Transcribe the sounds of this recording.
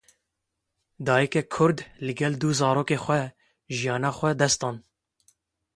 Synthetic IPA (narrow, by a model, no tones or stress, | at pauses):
d̪ɑːjɛkɛkʰʊɾd̪lɨɡɛld̪uzɑːɾoːkeːxʷɛ | ʒijɑːnɑːxʷɛd̪ɛst̪ɑːn